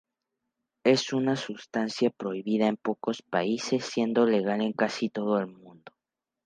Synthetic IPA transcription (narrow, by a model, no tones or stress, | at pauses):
e̞sunasust̪ansjapɾo̞iβiðae̞mpo̞ko̞spaise̞sːje̞nd̪o̞le̞ɣale̞ŋkasit̪o̞ð̞oe̞lmũnd̪o̞